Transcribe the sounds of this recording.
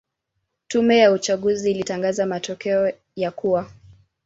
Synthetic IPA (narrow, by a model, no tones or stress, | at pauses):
tumɛjaut͡ʃaɠuziːlitaŋɡazamatɔkɛɔ | jakuwa